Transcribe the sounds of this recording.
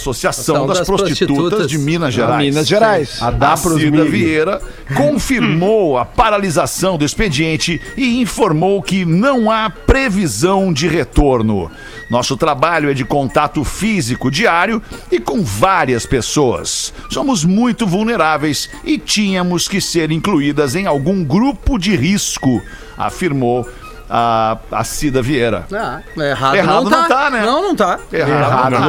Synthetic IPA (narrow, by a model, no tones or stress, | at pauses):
sosiasɐ̃w̃d̪ɐspɾosst͡ʃit͡ʃt̪ut̪ɐzd͡ʒɪmĩnɐzʒeɾɾajiɐʒeɾajsd̪apɾiɐvieɾɐ | kõfiɾmowɐpaɾalizasɐ̃w̃d̪ʊɪsped͡ʒiẽnt͡ʃɪɪĩfoɾmowkɪnɐ̃w̃apɾevizɐ̃w̃d͡ʒɪɦet̪oɾnʊ̰ | nɔsʊt̪ɾabaʎʊɛd͡ʒɪkõnt̪at̪ʊfizikʊd͡ʒiaɾjʊɪkõw̃vaɾiɐspesoɐ̰sːõmʊzmũj̃t̪ʊvuwneɾavejs | ɪt͡ʃĩɲɐmʊskɪseɾĩŋkluid̪ɐzẽj̃awɡũɡɾupʊd͡ʒɪɦiskʊ | a̰fiɾmow | aa̰sid̪ɐvieɾɐ̰aeɦad̪eɦaɐd̪̃ʊnɐ̃t̪anɛ̃nɐ̃w̃nɐ̃w̃t̪aeɦaɦa